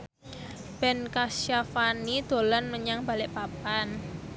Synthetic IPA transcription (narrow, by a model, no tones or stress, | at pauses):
b̥ɛnkasjafanid̪̥o̤lanməɲaŋba̤lɪʔpapan